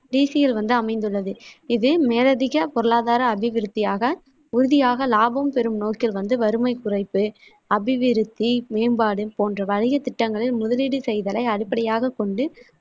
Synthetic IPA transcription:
ɖiːsɪjɪlʋɐnd̪ɯɐmɐɪnd̪ɯɭːɐðɯɪðɯmeːlɐðɪɣɐpɔɾɯɭaːðaːɾɐːbɪʋɪɾɯt̪ːɪjaːɣɐ | ʊɾʊðɪjaːɣɐlaːbɐmpɛɾɯmnoːkɪlʋɐnd̪ɯʋɐɾɯmɐɪkʊrɐɪpːɯ | ɐbɪʋɪɾɯt̪ːimeːmbaːɽɯpoːndrɐʋɐɻɪɣɐt̪ɪʈːɐŋɡɐɭɪlmʊðɐlɪɽɯsɛjðɐlɐɪɐɽɪpːɐɽɪjaːɣɐkɔɳɖɯ

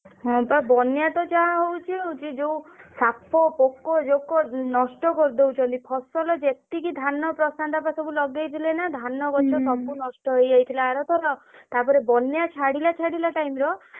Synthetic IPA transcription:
ɦɔ̃babɔnjat̪ɔd͡ʒaɦaɦowt͡ʃʰiut͡ʃʰid͡ʒeũsapʰɔpokɔd͡ʒokɔnɔsʈɔkɔɾd̪ewt͡ʃʰɔnt̪ipʰɔsɔlɔd͡ʒet̪ikid̪ʱanɔpɾɔsant̪apasɔbulɔɡejt̪ʰilenad̪ʱanɔɡɔt͡ʃʰɔt̪ɔpunɔsʈɔɦojd͡ʒajt̪ʰilaːɾɔt̪ʰɔɾɔt̪apɔɾebɔnjat͡ʃʰaɽilat͡ʃʰaɽilaʈajmɾɔ

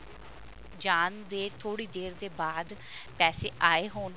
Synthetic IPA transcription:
d͡ʒaːnd̪eːt̪ʰoːɽiːd̪eːɾd̪eːbaːd̪ | pɛːseːʔaːeːɦoːn

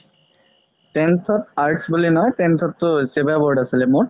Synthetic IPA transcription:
tɛntʰɔtaɹʈsbulinɔjtɛntʰɔtːʊsebabɔɹɖasilɛmʊɹ

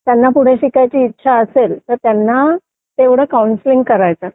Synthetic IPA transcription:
t̪janːapuɽ̤eɕikajt͡ɕiːt̪ːɕʰaəselt̪əɾt̪janːa | t̪eʋɽ̤əkaunsliŋɡkəɾajt͡sa

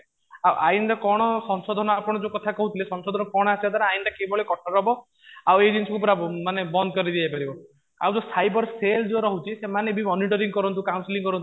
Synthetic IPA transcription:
awʔaint̪akɔɽ̃ɔsɔnsɔd̪ʱɔnɔapɔɽ̃ɔd͡ʒokɔt̪ʰakɔɦut̪ʰilesɔnsɔd̪ʱɔnɔkɔɽ̃asibat̪aɾaajnt̪akebɔɭekɔʈʰɔɾɔbɔ | awed͡ʒensɔkupɔɾamanebɔnd̪ɔkɔɾid̪iapaɾibɔ | a̰wd͡ʒosajbɔɾseld͡ʒoɾɔɦut͡ʃʰisemanebʱimɔniʈɔɾiŋɡɔkɔɾɔnt̪ukawnsiliŋkɔɾɔnt̪u

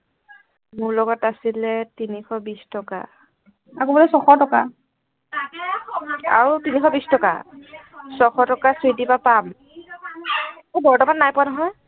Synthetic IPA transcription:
mʊɹlɔɡɔtasilɛtinixʰɔbistɔka̰ | akobɔlɛsɔxɔɹtɔka | a̰ɹutinixʰɔbistɔka̰ | sɔxʰɔɹtɔkasitipapam | mɔbɔɹtɔbannajpʊwanɔɦɔj

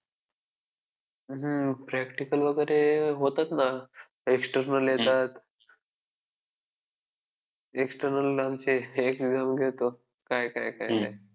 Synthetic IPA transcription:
ɦəpɾækʈikəlʋəɡəɾeɦot̪at̪na | eksʈəɾnəljet̪at̪ | eksʈəɾnəlamt͡ɕeekeɡzamɡʱet̪o | kajkajkajkaj

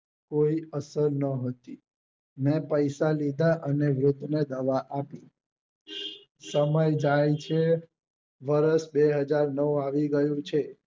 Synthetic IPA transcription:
koiəsəɾnəɦət̪i | mɛ̃pəjsalid̪ʱaʔəneʋɾʊt̪ːned̪əʋaʔapi | səməjd͡ʒajt͡ʃʰe | ʋəɾəʃbeɦəd͡ʒaɾnəʋũaʋiɡəjũt͡ʃʰe

